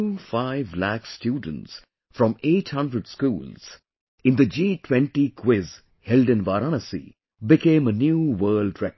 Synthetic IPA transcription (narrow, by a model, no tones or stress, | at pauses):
ufaɪvlækstjuːɖ̃n̩ʈs | fɾɔ̃meːʈhʌ̃ndɾəɖskuːlz̥ | ɪ̃nd̪əd͡ʒiːʈʰwɛ̃nʈikʰwɪz | hɛlɖɨ̃nʋaɾanəsḭ | bɪkẽːmənjuːwəːlɖɹɛk